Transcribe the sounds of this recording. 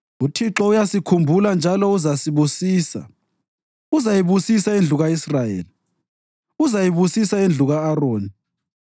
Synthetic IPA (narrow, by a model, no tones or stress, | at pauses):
utʰiǁɔujasikʰumbʱuland͡ʒʱalɔuzasiβusiːsa̰ | uzajiβusisaend͡ɮʱuɣaisrajḛːli | uzajiβusisaend͡ɮʱuɣaːroːni